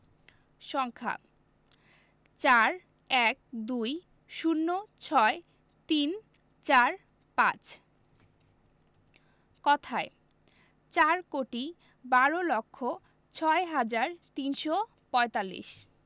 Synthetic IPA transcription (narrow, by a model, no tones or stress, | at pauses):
ʃɔŋkʰa̰ | t͡ɕaɾ | ɛk̚d̪uj | ʃunːot͡ɕʰɔe | t̪in | t͡ɕaɾ | pã̰t͡ɕ | kɔt̪ʰae | t͡ɕaɾkoʈi | baɾolokʰːo | t͡ɕʰɔeɦad͡ʑaɾt̪inʃo | pɔet̪alːḭʃ